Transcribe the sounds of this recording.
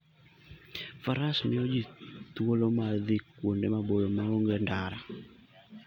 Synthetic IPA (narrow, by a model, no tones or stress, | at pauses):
faɾasmɪɔd͡ʒit̪wolomaðikːwondemabojomaoŋɡendaɾa